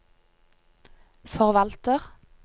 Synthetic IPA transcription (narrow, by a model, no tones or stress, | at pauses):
fɔʁʋɑlt̪əʁ